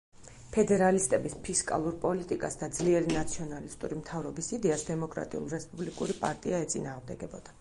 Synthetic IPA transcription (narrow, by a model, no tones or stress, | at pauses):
pʰɛd̪ɛɾalist̪ʼɛbispʰiskʼa̰lˠuɾpʼɔlit̪ʼikʼasd̪ad̪zliɛɾinat̪sʰiɔnalist̪ʼuɾimt̪ʰavɾɔbisid̪ɛasd̪ɛmɔkʼɾa̰t̪ʼiṵlˠɾɛspʼublikʼuɾipʼa̰ɾt̪ʼiaɛt̪sʼinaːʁmd̪ɛɡɛbɔd̪̥ḁ